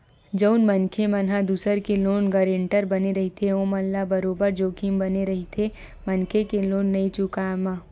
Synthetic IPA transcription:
d͡ʒəʊnmənkʰemɐnɦad̪uːsəɾkeloːnɡɐɾẽːɳʈəɾbɐneɾɐɦit̪ʰeõmɐnlabɐɾoːbəɾd͡ʒoːkʰimbɐneɾɐɦit̪ʰe | mɐnkʰekeloːnːɐit͡ʃʊkamã

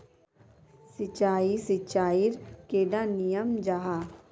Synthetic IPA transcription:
sɪt͡ʃaːisɪt͡ʃaːiɾkeːɖanijəmd͡ʒaːɦaː

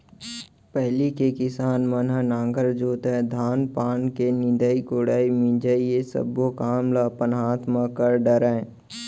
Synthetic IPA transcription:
pɛɦlikekɪsaːnmənɦənãːŋɡəɾd͡ʒoːt̪ed̪ʱaːnpaːnkenɪ̃nd̪əikoːɽaːimɪ̃nd͡ʒəijesə̰bːokaːmlapənɦaːt̪ʰmakəɾɖəɾə̃ː

